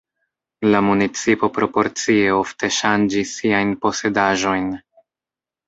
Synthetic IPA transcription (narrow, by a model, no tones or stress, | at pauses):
lamunit͡sipo̞pɾo̞po̞ɾt͡sie̞o̞fte̞ʃand͡ʒisːiajnpo̞se̞daʒo̞jn